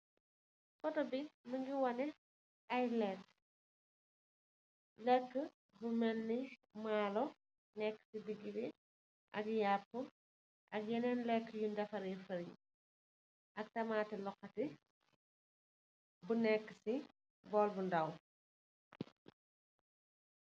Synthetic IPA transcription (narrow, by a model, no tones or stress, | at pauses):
fɔtɔbimɐŋɡiwɐnɛ | ʔajlɛk | lɛkːə | bumɛnːimaːlɔ | nɛkːə̥sibiɡːibi | ʔɐkjaːpːu | ʔɐk̚jɛnɛnlɛkːəjundɐfɐɾifɐɾj̰ | ʔɐk̚tɐmaːtɛlɔxɐti | bunɛkːə̥si | bɔːlbundɐw